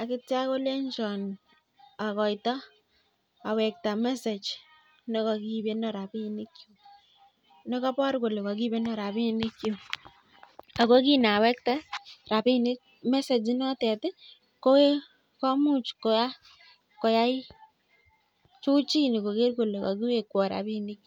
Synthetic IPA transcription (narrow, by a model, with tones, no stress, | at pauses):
a˨kɪ˦tja˦ko˦le˦ɲt͡ʃɔ˨n | a˨kɔ˨jtɔ˦ | a˨wɛ˨k̚ta˨mɛ˦se˨t͡ʃ | nɛ˦kɔ˧ki˦be˦nɔ˨ɾa˨pi˦ni˦kjo˨ | nɛ˦kɔ˦pɔ˦ɾko˨le˨kɔ˨k̬i˦be˦nɔ˨ɾa˨pi˦nɪ˦kjo˨ | a˨ko˦ki˦na˨wɛ˦k̚ta˦ɾa˨pi˦nɪ˦ | mɛ˦se˨d͡ʒi˦nɔ˦tɛ˨tɪ˦ | ko˦e˦ | kɔ˦mu˦t͡ʃko˨ja˦ | kɔ˨ja˦ɪ˦ | t͡ʃu˦t͡ʃi˦ni˨ko˨ke˦rko˨le˨kɔ̰˨ki˦we˨kːɔ˨ɾa̰˨bi˦ni˦kj